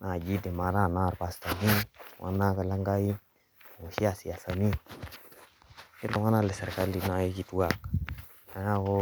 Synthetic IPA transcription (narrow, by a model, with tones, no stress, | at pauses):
na˨d͡ʒi˦de˨ma˨ɾa˦˨na˦wa˨ɾba˨sta˨ni˦˨wʔa̰˦na˦ka˨la˦ŋɡa˦ji˦˨ | ŋo˨ʃi˦a˨si˨ja˨sa˨ni˦ | i˦do˨wa˦na˦le˨se˨ɾka˦li˨˦na˦jo˦d͡ʒi˦tu˦wa˦˨k | a˨ja˦ɡo˦